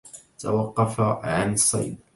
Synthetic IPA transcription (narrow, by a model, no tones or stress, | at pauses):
t̪ʰa̰wɑqːɑfaʕanɨsˤːɑ̰jd̪̚